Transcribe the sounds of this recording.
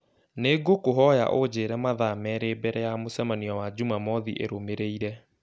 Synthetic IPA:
neɡokoɦɔja̰ʔod͡ʑeːɾɛmaðamɛɾeːbɛɾɛjamosɛmaniɔwad͡ʑumamɔðḭʔḛɾomeɾeiɾɛ

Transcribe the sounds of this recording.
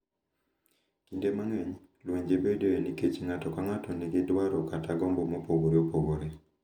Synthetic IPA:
kindemaŋeɲ | lweɲd͡ʒebedeeniket͡ʃiŋatɔkaŋatɔneɡɪdwaɾɔkataɡɔmbɔmopoɡoɾeopoɡoɾe

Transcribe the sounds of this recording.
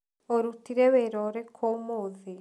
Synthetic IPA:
oɾutiɾeβeɾɔɾekʰomoːði

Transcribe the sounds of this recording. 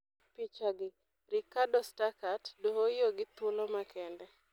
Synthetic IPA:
pit͡ʃaɡɪ | rikadɔstakatdoɦojoɡɪt̪ulomakʰɛndɛ

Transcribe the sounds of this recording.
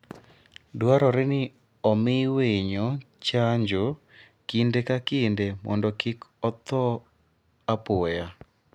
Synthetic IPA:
dwaɾɔɾɪnɪ | ɔmɪweɲɔ | t͡ʃaɲd͡ʒo | kindekakɪndemʔɔ̰ndɔkɪkɔt̪ɔ | apʊja

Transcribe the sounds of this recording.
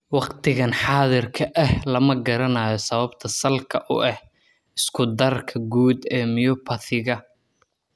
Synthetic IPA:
wɑqt̪ʰɪɣɐnħɑːðɪrkʰɐʔɛhlɐmɐɡɐɾɐnaːjɔsɐβɐbt̪ʰɐsɐlkʰɐʔʊ̰ʔɛh | ɪskʰʊd̪ɐrkʰɐɡuːd̪ɛːmɪjɔpʰɐθɪɣɐ

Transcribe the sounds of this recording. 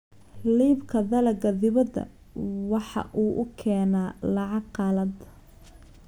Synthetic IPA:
liːbkʰɐðɐlɐɡɐðɪβɐd̪ɐ̰ | wɑħɑ̰ʔuːʔʊkʰɛːnaːlɑʕɑɡqɑːlɐd̪

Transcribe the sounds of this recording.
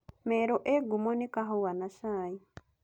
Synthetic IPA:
mɛɾoʔeɡumɔnikaɦowanaʃaji

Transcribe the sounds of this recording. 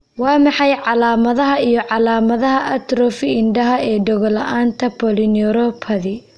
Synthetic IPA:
wɑːmɑħɑjʕɑlaːmɐðɐɦɐijɞʕɑlaːmɐðɐɦɐʔɐt̪ɾɔfɪɪnɖɐɦɐɛːɖɔɣɔlɐʔaːnt̪ʰɐpʰɔlɪnɔɾɔpʰɐðɪ

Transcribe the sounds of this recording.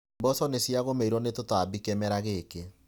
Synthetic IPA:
mbɔsɔnesjaɣomeiɾɔnetotabikɛmɛɾaɣeke

